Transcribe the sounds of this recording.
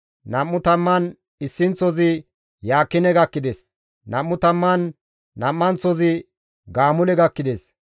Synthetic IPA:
nɐmːʊt̪ɐmːɐn | ɪsːɪnt͡sɔzɪ | jaːkːɪnɛɡɐkːɪd̪es | nɐmːʊt̪ɐmːɐnː | ɐmːɐnt͡sɔzɪ | ɡaːmʊlɛɡɐkːɪd̪es

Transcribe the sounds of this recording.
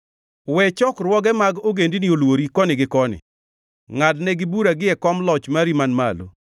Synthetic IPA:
wɛt͡ʃɔkɾwɔɡɛmaɡoɡendiniolwoɾikɔnɪɡɪkɔnɪ̰ | ŋadnɛɡɪbuɾaɡɪɛkɔmlɔt͡ʃmaɾimanma̰lo̰

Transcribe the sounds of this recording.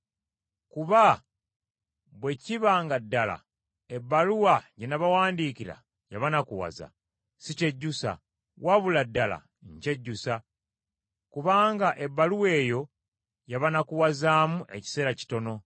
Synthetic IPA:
kuβa | βwe̞ciβaːŋɡadːala̰ | ebːaluwajenaβawaːndiːkiɾa̰ | jaβanakuwa̰za̰ | sice̞ɟːusa̰ | waβuladːala̰ | ɲce̞ɟːusa | kuβaːŋɡaʔe̞bːaluwe̞ːjo̞ | jaβanakuwazaːmuʔe̞̰ci̥se̞ːɾaci̥to̞no̞

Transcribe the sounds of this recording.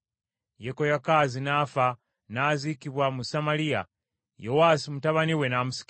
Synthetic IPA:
jekojakaːzinaːfa | naːzikiβwamusamalija̰ | jo̞wasimutaβaniwe̞namusi̥k

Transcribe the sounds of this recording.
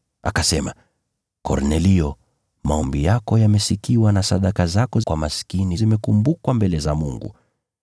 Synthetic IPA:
a̰kasɛma̰ | kɔ̰ɾnɛliɔ | maɔmbijakɔjamɛsikiwanasaɗakazakɔkwamaskinizimɛkumbukwambɛlɛzamuŋɡṵ

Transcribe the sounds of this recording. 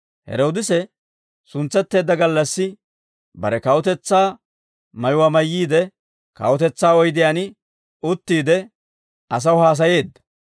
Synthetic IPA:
hɛ̰ɾo̞ːd̪ɪsɛ | sʊnt͡sːɛt̪ːe̞ːd̪ːɐɡɐlːɐsːɪ | bɐ̰ɾɛkɐwʊt̪ɛt͡sːaː | mɐjʊwamɐjːiːd̪ɛ | kɐ̰wɔt̪ɛt͡sːaːɔjd̪ɪjaːnɪ | ʊt̪ːiːd̪ɛ | ʔɐs̬ɐwʊhaːs̬ɐje̞ːd̪ːɐ̥

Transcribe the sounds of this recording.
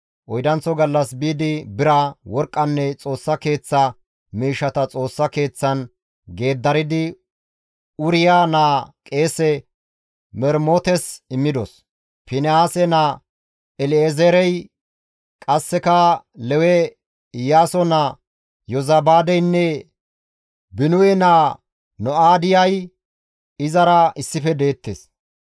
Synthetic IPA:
ʔɔjd̪ɐnt͡sːɔɡɐlːɐsbiːd̪ɪbɪɾɐwɔɾkʼːɐnːɛt͡sʼo̞ːsːɐke̞ːt͡sːɐ | miːʃɐt̪ɐt͡sʼo̞ːsːɐke̞ːt͡sːɐn | ɡe̞ːd̪ːɐɾɪd̪ɪ | ʊɾɪjaːnaːkʼe̞ːsɛ | mɛɾmoːt̪ɛsɪmːɪd̪ɔs | pɪnɛaːsɛnaː | ɛlɪezɛɾɛj | kʼɐsːɛkɐ | lɛwɛ | ɪjaːsɔna | jɔzɐbaːd̪ɛjnːɛ | bɪnʊwɛnaː | nɔaːd̪ɪjɐj | ɪzɐɾɐʔɪsːɪfɛd̪e̞ːt̪ːeːs

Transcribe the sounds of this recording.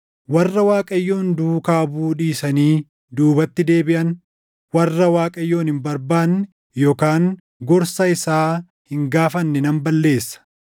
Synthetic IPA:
wɐrːɐwaːkʼɐjːo̞ːnd̪uːkaːbuːᶑiːsɐniː | d̪uːbɐt̪ːɪd̪e̞ːbɪʔɐn | wɐrːɐwaːkʼɐjːo̞ːnhɪmbɐɾbaːn | joːkaːŋ | ɡɔɾsɐɪsaː | hɪŋɡaːfɐnːɛnɐmbɐlːe̞ːsːɐ̥

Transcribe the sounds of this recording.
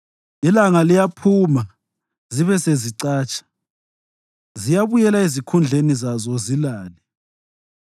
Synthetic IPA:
ilaŋalijapʰuma | ziβɛseziǀaːt͡ʃʰʼḁ | zijaβujɛlaezikʰund͡ɮʱenizazɔzilaːlɛ

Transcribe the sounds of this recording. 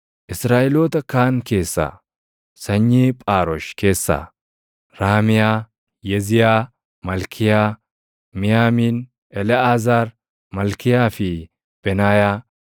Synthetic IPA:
ʔɪsɾaːʔɛloːt̪ɐkaːŋke̞ːsːa̰ː | sɐɲːiːpʼaːɾɔʃke̞ːsːa̰ | ɾaːmɪjaː | jɛzɪjaː | mɐlkʰɪjaː | mɪjaːmiːn | ʔɛlɛaːzaːɾ | mɐlkɪjaːfɪ | b̥ɛnaːjaː

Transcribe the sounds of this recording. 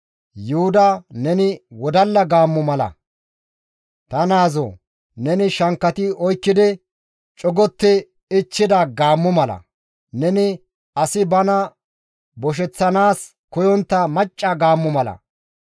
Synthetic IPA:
jʊhʊd̪ɐnɛnɪwɔd̪ɐlːɐɡaːmːʊmɐlɐ̰ | t̪ɐnaːzo̰ː | nɛnɪʃɐŋkːɐt̪ɪɔjkːɪd̪ɪ | t͡ʃʼɔɡɔt̪ːɪ | ɪt͡ʃːɪd̪ɐɡaːmːʊmɐlɐ̰ | nɛnɪ | ɐsɪbɐnɐ | bɔʃ̬ɛt͡sːɐnaːs | kʊjɔnt̪ːɐmɐt͡ʃʼːɐɡaːmːʊmɐlɐ̰

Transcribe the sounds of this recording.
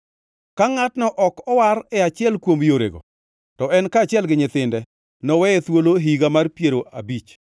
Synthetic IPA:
kaŋatnɔʔɔkɔwaɾɛat͡ʃɪɛlkwomjoɾḛɡo̰ | tɔɛnkaːt͡ʃɪɛlɡɪɲɪt̪ɪndɛ | nɔwɛɛt̪woloɦiɡamarpjeɾoʔa̰bit͡ʃ

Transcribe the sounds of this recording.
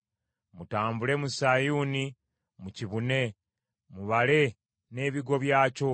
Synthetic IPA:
mutaːmbule̞musajuːni | muciβune̞ | muβale̞ | ne̞ːβiɡo̞βjaːco̞

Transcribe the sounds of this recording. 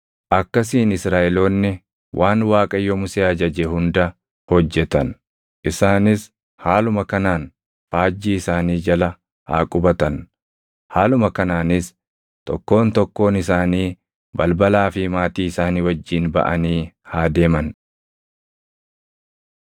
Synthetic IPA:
ʔɐkːɐs̬iːnɪsɾaːʔɛlo̞ːnːɪ | wʔaːnwaːkʼɐjːɔmʊseːɐd͡ʒɐd͡ʒehʊnd̪ɐ | hɔd͡ʒːɛt̪ɐn | ʔɪsaːnɪs | haːlʊmɐkɐnaːn | faːd͡ʒːiːɪsaːniːd͡ʒɐlɐ | ha̰ːkʼʊbɐt̪ɐn | haːlʊmɐkɐnaːnɪs | t̪ɔ̰kːo̞ːnt̪ɔkːo̞ːnɪsaːniː | bɐlbɐlaːfɪmaːt̪iːɪsaːniːwɐd͡ʒːiːnbɐ̰ʔɐ̰niːhaːd̪e̞ːmɐn

